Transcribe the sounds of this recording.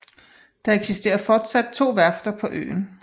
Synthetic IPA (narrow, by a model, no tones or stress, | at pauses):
d̥ɑ̈eɡ̥sisd̥e̝̰ːɐfɒːd̥sæd̥̚t͡sʰo̝̰ːʋæɐfd̥ɐpʰɒ̽ʔø̰ːn